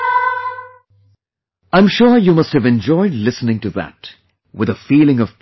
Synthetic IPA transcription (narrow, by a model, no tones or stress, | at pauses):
ãɪ̃mʃʊɹjumʌsthɨvɛ̃nd͡ʒɔɪdlɪsnɪ̃ŋtɨðæ̰t | wɪðəfiːlɪ̃ŋʌv̥p